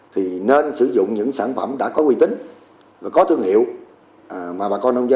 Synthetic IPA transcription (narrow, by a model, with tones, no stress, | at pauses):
t̪ʰi˨˩ne˧nsɨ˧˩˦zʊ̰˧˨ŋ͡mɲɨ̰˧˥ŋsaː˧˩nfə˧˩mɗa̰ː˧˥kɔ˨˦kwi˧t̪ï˨˦ŋ̟ | vaː˨˩kɔ˨˦t̪ʰɨ˧əŋhḭ˧˨əw | ʔmaː˨˩ɓaː˨˩kɔ˧nə˧wŋ͡mzə˧